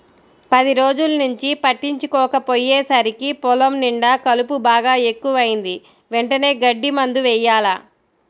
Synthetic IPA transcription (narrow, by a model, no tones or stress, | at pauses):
pɐd̪iɾoːd͡ʒulɐnuɲt͡ʃipɐʈːiɲt͡ʃukɔːkɐpojːeːsɐɾikipɔlɐmniɳɖɐkɐlupubaːɡaːe̞kːuʋɐjind̪i | ʋeɳʈɐne̞ːɡɐɖːimɐnd̪uʋɛːjaːlaː